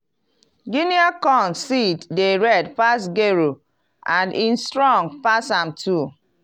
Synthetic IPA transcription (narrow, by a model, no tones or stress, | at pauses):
ɡiniakɔ̃nsitdeɹɛdpasɡeɹo | ãnĩnstɹɔ̃ŋpasãmtʰu